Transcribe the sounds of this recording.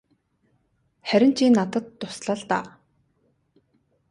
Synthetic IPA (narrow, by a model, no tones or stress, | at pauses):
χæɾʲɪ̆n̥t͡ɕʰiːnːat̪ə̆t̪ːʊsɮə̆ɮt̪aː